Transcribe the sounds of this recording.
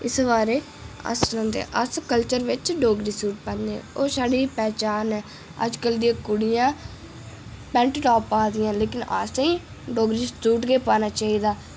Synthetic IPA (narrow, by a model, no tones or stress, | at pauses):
ɪsʋaːɾeː | ə̰st̪əɾãːt̪ḛːʔəskəlt͡ʃəɾʋɪt͡ʃɖoːɡɾiːsuːʈ̚pɛ̃ːnd̪eɛ̰̃ːoːsaːɖiːpɛːt͡ʃaːnɛː | ə̰d͡ʒkəld̪ijãːkʊɽɪjãː | pɛ̃ɳʈʈɔːpaːd̪ɪjãːleːkɪna̰sĩː | ɖoːɡɾiːstuːʈɡeːpaːnaːt͡ʃaːiːd̪aː